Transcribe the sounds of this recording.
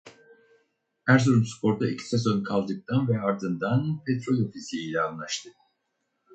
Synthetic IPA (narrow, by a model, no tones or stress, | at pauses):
hæɾzoɾumspʰo̞ɾd̪aicʰi̥sesonkʰalˠd̪ɯk̚t̪ʰanvɛaɾd̪ɯnd̪anpʰet̪ɾo̞lʲo̞fislʲijilʲɛanlˠaʃt̪ʰɯ